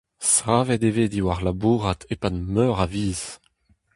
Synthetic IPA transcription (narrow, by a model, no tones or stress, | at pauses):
sʁaːvɛdeveːdiwaʁlabuːʁat̪ʰepadmœʁaviːz̥